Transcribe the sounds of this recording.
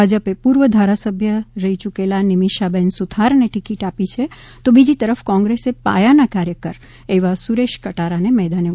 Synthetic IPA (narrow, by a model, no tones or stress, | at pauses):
ad͡ʒəpepuɾʋəd̪ʱaɾasəbʱjəɾəɦit͡ʃukelanɪmiʃabɛnsut̪ʰaɾneʈikiʈapit͡ʃʰe | t̪obid͡ʒit̪əɾəfkɔ̃ŋɡɾesepa̰janakaɾjəkəɾ | eʋasuɾeʃkəʈaɾanemɛd̪ane